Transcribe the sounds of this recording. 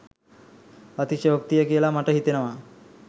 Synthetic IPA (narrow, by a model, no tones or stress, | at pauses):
ət̪iɕebʱək̚t̪ijəkielamaʈəɦit̪enəʋa